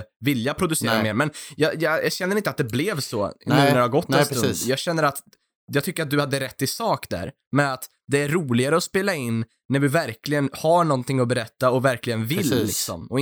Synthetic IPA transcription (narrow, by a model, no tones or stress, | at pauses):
vɪljapʰɾʊd̪ɵseːɾameːɾmɛnjɑjɑɑ̰ɕɛnːəɾɪnt̪əat̪̚d̪ɛblɛvsɔ̰nʉnæɾɛhaɡɔt̪ːɛnsnːd̪jɑːɡɕɛnːəɾat̪ | jɑɡt̪ʰʏkːəɾat̪̚d̪ɵhad̪ːəɾɛt̪ːɪsɑːkd̪æ̰ɾ | mɛnat̪ | d̪ɛæɾɾuːlɪɡaɾəɔspeːlaɪnː | æɾvɪvæɾklɪɡənhaɳɔnt̪ɪŋːɔbɛɾɛt̪ːaɔvæɾklɪɡənvɪlːɪksɔ̰mɔ